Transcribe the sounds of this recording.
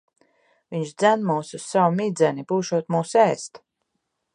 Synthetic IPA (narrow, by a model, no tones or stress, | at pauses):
viɲʃd̪zænmuːsussawmid̪zʲɛnipuːʃuɔt̪muːsɛːst̪